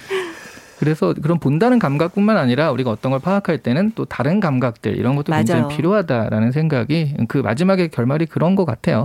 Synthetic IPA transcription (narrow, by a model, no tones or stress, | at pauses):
kɯɾe̞sʰʌkɯɾʌnpondanɯnkamɡak̚p͈unmanaɲiɾauɾiɡaʌt͈ʌnɡʌɭpʰaakʰaɭt͈e̞nɯnt͈otaɾɯnkamɡak̚t͈ɯ̰ɭḭɾʌnɡʌt͈ʰoed͡ʑd͡ʑeŋipʰiɾjoɦadaɾa̰nɯnsʰeŋɡaɡikɯma̰d͡ʑimaɡe̞kjʌɭmaɾikɯɾʌnɡʌk͈atʰe̞jo